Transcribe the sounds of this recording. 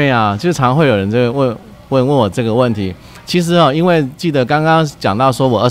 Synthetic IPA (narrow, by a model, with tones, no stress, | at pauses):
a˨t͡ɕjo˥˩ʊʈ͡ʂʰɑ˧˥ŋxwe˥˩ɪjo˨˩ɻə˧˦˥ʈ͡ʂə˥˩ɡə˩wə˥˧ | wə˥˧nwə˥˩wɔ˨˩ʈ͡ʂɤ˥˩ɡə˩wə˥˩nt̪ʰi˨˧˥ | t͡ɕʰi˧˥ʂ̬ɻ̩˧˥ɔ˥˧i˥nwe˥˩ɪt͡ɕi˥˩d̪ə˧˦kɑ˥ŋkɑ˥ŋt͡ɕjɑ˨˩ŋt̪ɑ˥˩ʊʂwɔ˥wɔ˨˩ə˧˥